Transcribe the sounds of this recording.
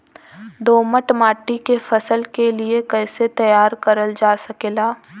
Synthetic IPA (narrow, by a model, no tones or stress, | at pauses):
d̪oːməʈmaːʈikefʰɐsəlkeliekɛːset̪ɐjaːɾkɐɾəld͡ʒaːsɐkeːlaː